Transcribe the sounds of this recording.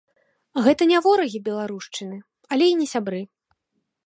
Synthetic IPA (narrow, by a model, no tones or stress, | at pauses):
ɣɛt̪ɐnʲavɔɾɐɣʲibʲɛlˠaɾuʂt͡ʂɨnɨ | ɐlʲɛinʲɛsʲabɾɨ